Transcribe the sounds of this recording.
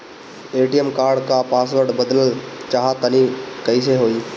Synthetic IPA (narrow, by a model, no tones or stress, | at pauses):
eːʈijəmkaːɾɖkapaːsʋəɾɖbəd̪ələlt͡ʃaːɦat̪ənikəɪs̬eɦoːi